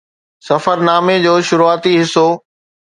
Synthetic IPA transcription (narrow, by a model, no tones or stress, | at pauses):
sɐfəɾnaːmed͡ʑoːʃʊɾuaːt̪iɦɪsoː